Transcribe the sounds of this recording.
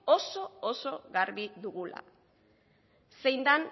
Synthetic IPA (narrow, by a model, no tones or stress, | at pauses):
o̞so̞oso̞ɣaɾβiðuɣula̰ | se̞jnd̪an